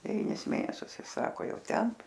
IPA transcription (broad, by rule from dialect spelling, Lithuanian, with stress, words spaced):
dʲɛˈʋʲiːnʲɪs ˈmʲeːnʲɛsʲʊs ˈɪs ˈsɑːkoː ˈjɛʊ ˈtʲɛn